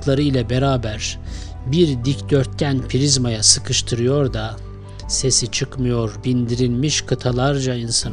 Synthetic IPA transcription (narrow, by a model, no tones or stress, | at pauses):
t̪lˠaɾɯilʲɛbeɾaːbæɾ | biɾd̪icd̪øɾt̪̚cænpʰiɾizmajasɯkʰɯʃt̪ʰɯɾɯjo̞ɾd̪a | se̞sit͡ʃʰɯkmɯjo̞ɾbind̪iɾilʲmiʃkʰɯt̪ʰalˠaɾd͡ʒainsa